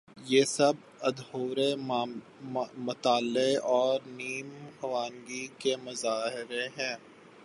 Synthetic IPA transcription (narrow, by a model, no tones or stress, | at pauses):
jeːsɐb | ɐd̪hoːɾe | mɐt̪aːlːeɔːɾniːmhɐʋaːnɡikemɐzaːɦɪɾeɦɛ̃ː